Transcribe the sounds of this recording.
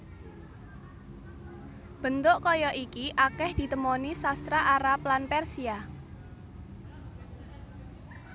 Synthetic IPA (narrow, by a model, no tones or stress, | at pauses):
b̥ə̤nt̪ʊʔkɔjɔʔikiʔakɛhd̪̥i̤t̪əmɔnisast̪ɾaʔaɾap̚lanpɛrsia